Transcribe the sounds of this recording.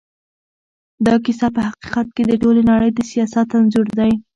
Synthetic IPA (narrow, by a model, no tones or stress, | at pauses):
d̪ɑkisapəɦaqi̥qat̪̚ked̪əʈolenaɽəjd̪əsijɑsat̪anzʊɾd̪aj